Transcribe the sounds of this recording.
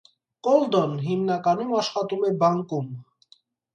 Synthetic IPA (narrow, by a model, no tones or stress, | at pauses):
kɔld̪ɔnɦimnɑkɑnumɑʃχɑt̪umɛbɑŋkum